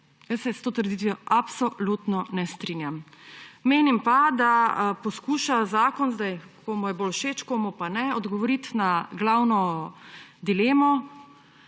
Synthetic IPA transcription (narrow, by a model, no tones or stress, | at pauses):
jəsːɛst̪oːt̪əɾd̪iːt̪ʋijɔʔapsɔlut̪nɔnɛst̪ɾinjamː | eːnimpad̪apɔskuːʃazaːkɔnzd̪aj | koːmujɛboːlʃeːt͡ʃkoːmupanɛɔd̪ɡɔʋɔɾit̪naɡlawnɔ | d̪ileːmɔ